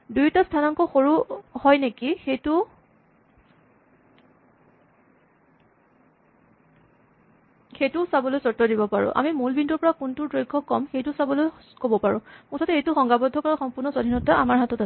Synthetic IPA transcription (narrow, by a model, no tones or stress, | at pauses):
dujtastʰanɔŋkɔxoɹuhɔjnekixejtʊ | xejtʊsabɔlojsɔtːɔdibɔpaɹʊ̰̃ʔa̰mimulbindɔɹpɔɹakuntuɹdɹojkʰːɔkːɔmxejtʊsabɔloj | kobɔpaɹʊ̃kɔtʰatɛejtʊxɔŋɡabɔdʱːɔkɔɹɔxɔmpʊɹnɔsɔdʱinɔtaamaɹɦatɔta